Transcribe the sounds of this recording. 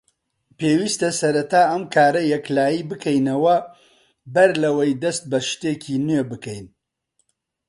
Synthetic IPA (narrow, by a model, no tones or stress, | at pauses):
peːwiːst̪ɐsɐɾɐt̪aːɐmkʰaːɾɐjɐklaːjiːbɨkʰɛjnɐwɐ | bɐɾlɐwɐjd̪ɐst̪̚bɐʃt̪eːcʰiːnɥeːbɨkɐjn